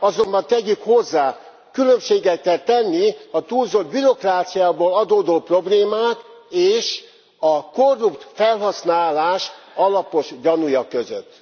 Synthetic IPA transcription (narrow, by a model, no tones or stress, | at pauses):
ɒzo̞mbɒnt̪ɛɟykho̞zːaː | kylømʃeːɡɛt̪kɛlt̪ɛnːiɒt̪uːlzod̪̚biɾo̞kraːt̪sijaːboːlɒd̪oːd̪oːpro̞bleːmaːt̪eːʃ | ɒko̞rːupt̪fɛlɦɒsnaːlaːʃɒlɒpo̞ʃɟɒnujɒkøzø̰t̪ː